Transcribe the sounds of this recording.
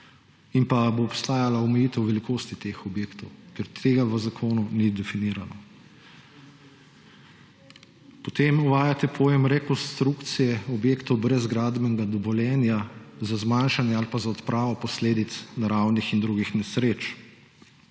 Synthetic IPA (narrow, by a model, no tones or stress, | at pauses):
inpaboːpst̪aːjalaɔmɛjiːt̪ɛwʋɛlikoːst̪it̪exɔbjeːkt̪ɔwkɛɾt̪ʰeːɡaʋəzakʰoːnunid̪ɛfiniːɾanɔ | pɔt̪emuʋaːjat̪ɛpʰɔːjɛmɾɛkɔnst̪ɾukt̪sijɛɔbjeːkt̪ɔwbɾɛzɡɾaːd̪bɛnɛɡad̪ɔʋɔljɛːnjazazmaːnʃanjɛalpazaɔt̪pɾʔaːʋɔpɔsleːd̪it̪snaɾawnixind̪ɾuɡixnɛsɾeːt͡ʃ